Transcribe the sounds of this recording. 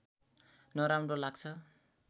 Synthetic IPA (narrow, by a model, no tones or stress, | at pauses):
nʌɾawmrʌlaɡ̚t͡sʰʌ